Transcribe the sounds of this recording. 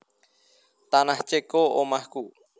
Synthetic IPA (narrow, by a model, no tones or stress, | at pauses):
t̪anaht͡ʃekoomahku